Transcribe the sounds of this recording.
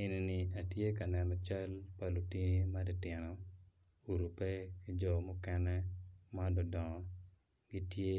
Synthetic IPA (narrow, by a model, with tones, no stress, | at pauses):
e˨ni˨ni˨a˨tje˦ka˨nɛ˨nɔ˨t͡ʃa˦lpa˨lu˨ti˦ni˦ma˦di˨tɪ˨nɔ˨ | u˨ɾu˨pɛ˦ki˦d͡ʒɔ˨mʊ˦kɛ˦nɛ˦madɔ˨dɔ˨ŋɔ˨ | ɡi˦tje˦